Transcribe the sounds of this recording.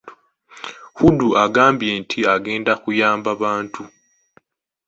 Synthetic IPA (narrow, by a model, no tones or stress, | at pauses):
huduʔaɡaːmbje̞ːntʰiaɡe̞ːndakujaːmbaβaːntu